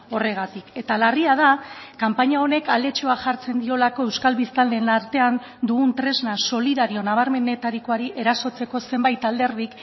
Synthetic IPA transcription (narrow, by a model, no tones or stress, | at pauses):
o̞re̞ɣ̞at̪ike̞t̪alariað̞akampaɲao̞ne̞kale̞t͡ʃo̞aʝaɾt͡se̞nd̪io̞lako̞e̞wskalβist̪ald̪enaɾt̪e̞an | d̪uɣunt̪ɾe̞znaso̞liðaɾio̞naβ̞aɾme̞ne̞t̪aɾiko̞aɾiʔe̞ɾaso̞t͡se̞ko̞se̞mbajt̪ald̪e̞ɾð̞ik